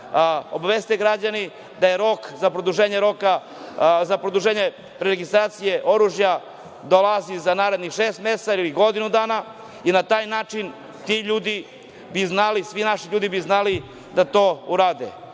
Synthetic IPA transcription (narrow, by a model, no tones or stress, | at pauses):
o̞baʋest̪eɡɾad͡ʑani | d̪ajeɾo̞kzapɾod̪uʒeːɲeɾo̞ka | zapɾod̪uʒeːɲe | ɾeɾeɡist̪ɾaːt̪sijeʔo̞ɾuʒja | d̪olazizanaːɾe̞d̪nixʃeːst̪me̞st̪ailiɡo̞d̪inud̪aːna | inat̪aːjnaːt͡ʃin | t̪iʎuːd̪i | biznalisʋinaʃiʎuːd̪ibiznali | d̪at̪o̞ːuɾaːd̪ḛ